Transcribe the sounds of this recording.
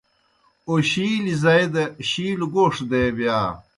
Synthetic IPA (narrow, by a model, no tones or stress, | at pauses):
oɕiːlizɐed̪ɐɕiːluɡoːʂd̪ebjaː